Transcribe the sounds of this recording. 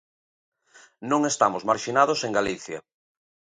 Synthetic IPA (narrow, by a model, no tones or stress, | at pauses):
nõŋest̪amozmaɾʃinaðoseŋɡaliθja